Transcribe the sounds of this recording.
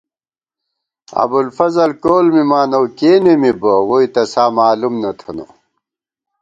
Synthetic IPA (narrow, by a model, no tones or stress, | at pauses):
ɐ̰bulfɐzɐlkoːlmimaːnɐwkeːnemibɐwoit̪ɐsaːmaːlumnɐt̪ʰɐnṵ